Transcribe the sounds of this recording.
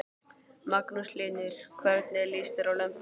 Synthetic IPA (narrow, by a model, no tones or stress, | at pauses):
maknusliːnʏɾ̥kʰvɛɾt̪nɪliːst̪ɪɾawlœm